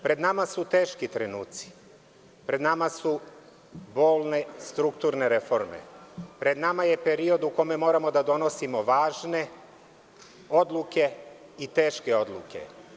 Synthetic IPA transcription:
pɾe̞d̪namasut̪e̞ːʃkit̪ɾenuːt̪si̥ | pɾe̞d̪namasu | bo̞ːlˠne̞st̪ɾukt̪uɾne̞ɾefo̞ɾmḛpɾe̞d̪namaje̞peɾio̞d̪uko̞me̞mo̞ːɾamo̞d̪ad̪o̞no̞simo̞ʋaːʒne̞ | o̞d̪lˠuke̞ | it̪e̞ːʃke̞o̞d̪lˠṵke̞̰

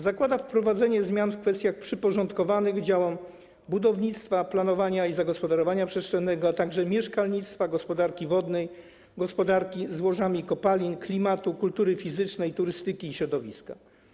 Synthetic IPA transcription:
zakwad̪afpɾɔvad̪zɛɲɛzmʲjanfkfɛst̪ʲjaxpʂɘpɔʐɔnt̪kɔvanɘɣd͡ʑawɔm | bud̪ɔvɲit̪st̪faplanɔvaɲaizaɡɔspɔd̪aɾɔvaɲapʂɛstt͡ʂɛnːɛɡɔat̪aɡʐɛmʲjɛʂkalɲit̪st̪faɡɔspɔd̪aɾkʲivɔd̪nɛj | ɡɔspɔd̪aɾkʲizwɔʐamʲikɔpalʲinklʲimat̪ukult̪uɾɘfʲizɘt͡ʂnɛjt̪uɾɘst̪ɘkʲiːɕɾɔd̪ɔvʲḭska

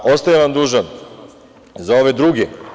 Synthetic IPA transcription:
o̞st̪ajaʋamd̪uːʒan | zao̞ʋe̞d̪ɾuːɡe

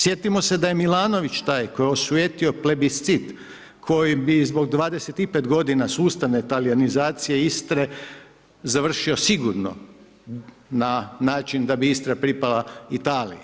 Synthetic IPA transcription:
sje̞t̪imo̞se̞d̪aje̞milˠaːno̞ʋit͡ʃt̪aːjko̞jeosujet̪io̞plebist̪sit̪ | kʰo̞jibizbo̞ɡ̚d̪ʋaːd̪eset̪ipet̪ɡo̞d̪inasuːst̪aʋne̞t̪alianizaːt̪sije̞ist̪ɾe̞ | zaʋr̩ʃio̞siɡuɾno̰ | nanaːt͡ʃind̪abiist̪ɾapɾipalait̪aːlḭja

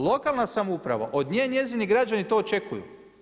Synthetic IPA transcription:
lˠo̞kalˠnasamoupɾa̰ʋa̰ʔo̞d̪ɲeːnje̞ziniɡɾad͡ʒanit̪oːot͡ʃe̞kujṵ

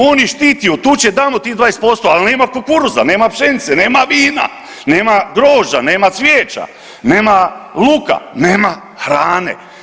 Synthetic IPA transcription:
oniʃt̪iːt̪ijut̪uːt͡ɕed̪amot̪iːd̪ʋaːjest̪̚po̞st̪oalneːmakokuɾuza̰neːmapʃenit̪seneːmaʋiːna̰ | neːmaɡɾoːʒaneːmat̪sʋjeːt͡ʃa̰ | neːmaluka̰neːma | xɾaːnḛ

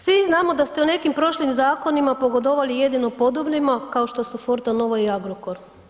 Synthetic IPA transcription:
sʋiznaːmo̞d̪ast̪e̞une̞kimpɾo̞ʃlimzaːko̞nimapo̞ɡo̞d̪oʋalije̞d̪inopo̞d̪oblimakao̞ʃt̪o̞sufoɾt̪ano̞ʋaiaɡɾokoɾ

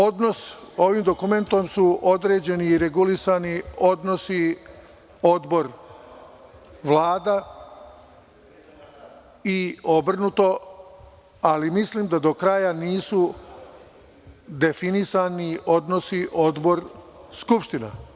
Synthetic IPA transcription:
od̪no̞so̞ʋimd̪o̞kume̞nt̪o̞msuo̞d̪ɾe̞ːd͡ʑe̞niːɾe̞ɡulisanio̞d̪no̞si | o̞d̪bo̞ɾ | ʋlˠaːd̪a | iobr̩nut̪o̞ | alimisliːmd̪ad̪o̞kɾajaniːsu | d̪e̞finisanio̞d̪no̞siʔo̞d̪bo̞ɾskupʃt̪ina

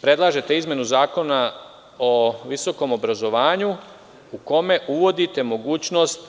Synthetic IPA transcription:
pɾe̞d̪lˠaːʒe̞t̪eizmje̞nuzaːko̞na | oʋiso̞ko̞mo̞bɾazo̞ʋaːɲu | uko̞me̞ʔuʋo̞d̪it̪e̞mo̞ɡuːt͡ɕno̞st̪

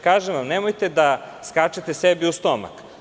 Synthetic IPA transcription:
kaːʒeʋamnemojt̪ed̪askat͡ʃet̪esebiust̪oma̰k

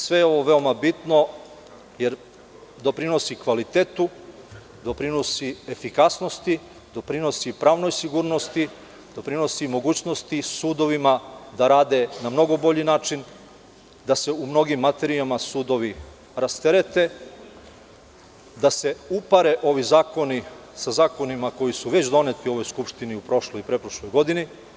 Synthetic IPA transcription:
sʋe̞jeo̞ʋo̞ʋe̞omabit̪no̞ | je̞ɾ | d̪o̞pɾino̞sikʋalit̪eːt̪u | d̪o̞pɾino̞siefikasno̞st̪i | d̪o̞pɾino̞sipɾaːʋno̞jsiɡuːɾno̞st̪i | d̪o̞pɾino̞simo̞ɡuːt͡ɕno̞st̪isuːd̪o̞ʋimad̪aɾaːd̪e̞namno̞ɡo̞bo̞ʎinaːt͡ʃin | d̪ase̞umno̞ɡimːat̪e̞ɾiamasuːd̪o̞ʋi | ɾast̪eɾet̪e̞ | d̪ase̞upaɾe̞ʔo̞ʋizaːko̞ni | sazaːko̞nimako̞jisuʋe̞t͡ɕd̪o̞ne̞t̪io̞ʋo̞jskupʃt̪iniupɾo̞ʃlojpɾepɾoʃlo̞jɡo̞d̪ini

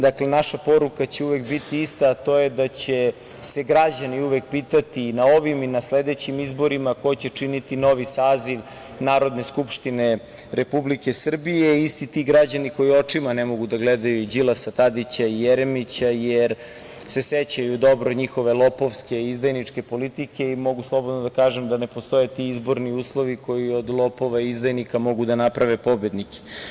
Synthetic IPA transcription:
d̪akle̞naʃapo̞ɾukat͡ɕeuʋekbit̪iist̪aːt̪o̞ːjed̪at͡ɕe | se̞ɡɾad͡ʑaniuʋek̚piːt̪at̪inao̞ʋiminasled̪et͡ɕimizbo̞ɾimako̞t͡ɕet͡ʂinit̪ino̞ʋisaːziʋ | naːɾo̞d̪ne̞skupʃt̪ine | ɾepublike̞sr̩bijeist̪it̪iɡɾad͡ʑaniko̞jio̞t͡ʂimanemo̞ɡud̪aɡled̪ajuid͡ʑilasat̪ad̪it͡ɕaijeɾemit͡ɕajeɾ | se̞set͡ɕajud̪o̞bɾoɲixo̞ʋe̞lˠo̞po̞ʋske̞izd̪ajnit͡ʂke̞po̞lit̪ike̞imo̞ɡuslˠo̞bod̪nod̪akaːʒemd̪ane̞post̪o̞jet̪iizbo̞ɾniuːslˠo̞ʋiko̞io̞d̪lˠopo̞ʋaizd̪ajnikamo̞ɡud̪anapɾaʋe̞po̞bjed̪nike̥

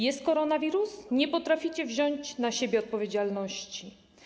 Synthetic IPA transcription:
jɛst̪̚kɔɾɔnavʲiɾusɲɛpɔt̪ɾafʲit͡ɕɛvʑɔɲt͡ɕnaɕebʲjɛɔt̪̚pɔvʲjed͡ʑalnɔɕt͡ɕi

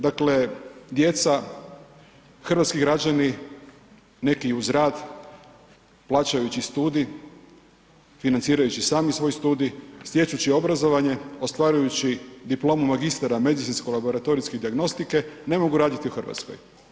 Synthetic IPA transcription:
d̪akle̞d̪je̞t̪sa | xr̩ʋat̪skiɡɾad͡ʑani | ne̞kiuzɾaːd̪ | plˠaːt͡ʃajut͡ɕist̪uːd̪i | finant̪siːɾajut͡ɕisaːmisʋo̞jst̪uːd̪isje̞t͡ʃut͡ɕio̞bɾazo̞ʋaɲe̞ost̪ʋaːɾujut͡ɕid̪iplo̞ːmumaɡist̪aɾame̞d̪it̪sinskolabo̞ɾat̪o̞ɾisked̪iaɡno̞st̪ike̞ne̞mo̞ɡuɾaːd̪it̪iuxr̩ʋa̰t̪skoj

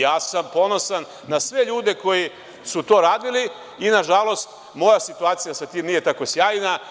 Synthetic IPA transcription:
jaːsampo̞no̞sanːasʋe̞ʎuːd̪e̞ko̞ji | sut̪o̞ːɾaːd̪ili | inaʒalˠo̞st̪ | mo̞jasit̪uaːt̪sijasat̪iːmnije̞t̪ako̞sjaːjna

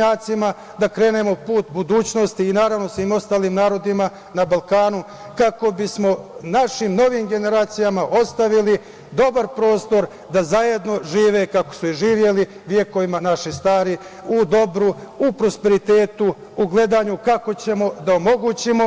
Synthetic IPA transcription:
aːt̪sima | d̪akɾe̞ːne̞mo̞puːt̪bud̪uːt͡ɕno̞st̪iːnaːɾaʋno̞sʋiːmo̞st̪aːliːmnaːɾo̞d̪ima | nabalkaːnu | kako̞bismo̞naʃimno̞ʋiːmɡe̞ne̞ɾaːt̪sijamaʔo̞st̪aʋili | d̪o̞baɾpɾo̞ːst̪o̞ɾ | d̪azaje̞d̪no̞ʒiːʋe̞kako̥suiʒiːʋje̞li | ʋje̞ko̞ʋimanaʃist̪aːɾi | ud̪o̞bɾuupɾo̞spe̞ɾit̪e̞ːt̪uː | ɡle̞d̪aːɲukako̞t͡ɕe̞mo̞d̪aomo̞ɡut͡ɕimo̞

